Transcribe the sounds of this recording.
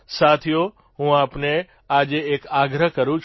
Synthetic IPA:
sat̪ʰijo | ɦũapne | ad͡ʒeːkaɡɾəɦkəɾũt͡ʃʰ

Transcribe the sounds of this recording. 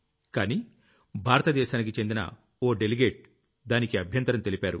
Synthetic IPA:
kaːniː | bʱaːɾɐt̪ɐd̪ɛːʃaːnik̬it͡ʃe̞nd̪inɐ̰ | oːɖeliɡeːʈ̚ | d̪aːnikiɐbʱjɐnt̪ɐɾɐmt̪e̞lipaːɾu

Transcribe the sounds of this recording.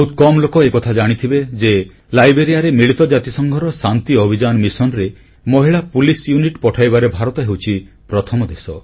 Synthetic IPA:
ut̪kɔmlokɔekɔt̪ʰad͡ʒaɽ̃it̪ʰibed͡ʒe | lajbɾeɾijaɾemiɭit̪ɔd͡ʒat̪isɔŋɡʱɔɾɔsant̪iobʱid͡ʒanɔmisɔnɾe | mɔɦiɭapulisjuniʈpɔʈʰajbaɾebʱaɾɔt̪ɔɦewt͡ʃʰi | pɾɔt̪ʰɔmɔd̪esɔ

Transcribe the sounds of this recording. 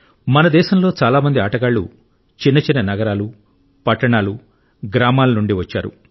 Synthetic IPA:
mɐnɐd̪ɛːʃɐmlo̞ːt͡ʃaːlaːmɐnd̪iaːʈɐɡaːɭːṵ | t͡ʃinːɐt͡ʃinːɐnɐɡɐɾaːlu | pɐʈːɐɳaːlu | ɡɾaːmaːlɐnuɳɖiʋɐt͡ʃːa̰ːɾṵ

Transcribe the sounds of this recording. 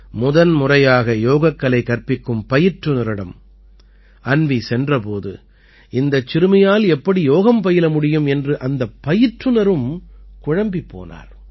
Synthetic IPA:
mʊðɐnmʊrɐjaːɣɐjoːɣɐkːɐɭɐɪkːɐrpɪkːɯmpɐjɪʈːɯnɐɾɪɽɐ̰m | ɐnʋisɛndrɐpoːðɯ̰ | ɪnd̪ɐt͡ʃːɪɾɯmɐjaːlɛpːɐɽijoːɣɐmpɐjɪlɐmʊɽɪjɯmɛndrɯʔɐnd̪ɐpːɐjɪʈrɯnɐɾɯmkʊɻɐmbipːo̰ːna̰ːɾ

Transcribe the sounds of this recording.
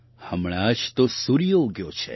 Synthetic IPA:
həmɳ̃ad͡ʒt̪osuɾijoɡjot͡ʃʰḛ

